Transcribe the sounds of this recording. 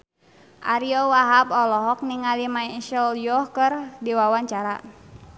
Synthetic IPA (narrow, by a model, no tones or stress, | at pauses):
ʔaɾiɔwaɦabɔlɔɦɔk̚niŋalimaʃəljɔhkərdiwawaɲt͡ʃaɾa